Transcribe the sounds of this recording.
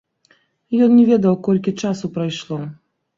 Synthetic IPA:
jɔnnʲɛvʲɛd̪ɐwkɔlʲkʲit͡ʂasupɾajʂlˠɔ

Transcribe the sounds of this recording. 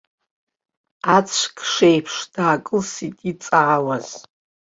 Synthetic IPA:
at͡sʷʰkʰʂejpʰʂd̥aːkʼɨlsitʼit͡sʼaːwaz̥

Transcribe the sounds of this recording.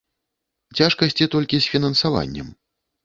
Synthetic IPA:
t͡sʲaʂkɐsʲt͡sʲit̪ɔlʲkʲisʲfʲinɐnsava̰nʲːɛ̰m

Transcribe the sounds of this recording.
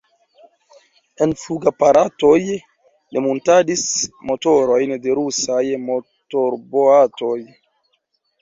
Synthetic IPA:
e̞nfuɡapaɾato̞j | nimuntadismo̞toɾo̞jnde̞ɾusajmo | toɾboato̞j

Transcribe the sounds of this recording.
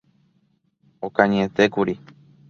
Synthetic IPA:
okãɲẽt̪e̞kuɾi

